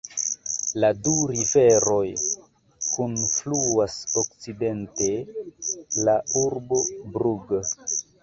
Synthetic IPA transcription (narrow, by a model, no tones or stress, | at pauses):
laduɾive̞ɾo̞j | kunfluasokt͡side̞nte̞ | lauɾbobɾuɡ